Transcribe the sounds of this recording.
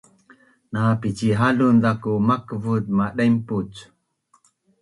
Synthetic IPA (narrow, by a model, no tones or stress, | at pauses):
napit͡ɕiɦaɮundakumakəvut̪̚maɗajmput͡s